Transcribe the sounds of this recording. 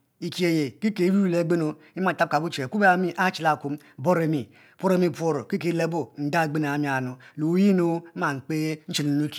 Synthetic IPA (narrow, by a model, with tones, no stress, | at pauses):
i˨ki˦e˨je˨ki˦ke˨˦i˦ɾi˦˨le˨˦ɡ͡be˦no˨ | i˦ma˨a˦p̚ka˨bu˦t͡ʃe˨ku˦be˦a˨mi˦ʔa˦t͡ʃi˨la˨ku˦m˦bo˦ɾe˨mi˨ | po˦ɾe˦mi˦pʷo˦ɾo˨ki˦k̬e˦le˦bu˦n̩˨da˦˨ɡ͡be˦na˨a˨mi˨˦a˨nu˨lu˨˦ji˦no˦ma˨ŋ͡m̩˨k͡pe˦n̩˦t͡ʃi˨lnu˦ki̥˨